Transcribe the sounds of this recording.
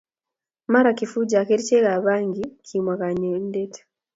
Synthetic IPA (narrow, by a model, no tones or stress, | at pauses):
maɾakifuɟakeɾit͡ʃeɣaβaːŋɡikʰimwakaɲendetḁ